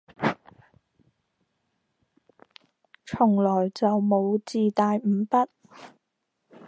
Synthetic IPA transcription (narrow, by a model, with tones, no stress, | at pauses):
t͡ʃʰʊ˨˩ŋlɔː˨˩jt͡sɐ˨wmo˨˧wt͡siː˨˧t̪aː˨jm̩˨˧pɐ˥t̚